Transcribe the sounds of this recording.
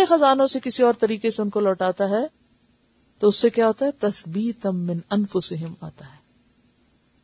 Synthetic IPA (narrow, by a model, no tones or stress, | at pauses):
exɐzaːnõsekɪsiɔːɾt̪ɐɾiːkeseʊnkolɔːʈaːt̪aɦɛː | t̪oʊsːekjaɦoːt̪aɦɛt̪ɐθbiːt̪mɪ̃nɐnfʊsɪɦɪma̰ːt̪aɦɛː